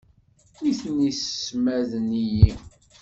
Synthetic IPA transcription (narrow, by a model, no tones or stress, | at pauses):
iθnisəːmæðəniji